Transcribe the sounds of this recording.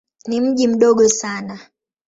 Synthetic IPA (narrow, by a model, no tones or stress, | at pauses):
nim̩ʄim̩ɗɔɠɔsana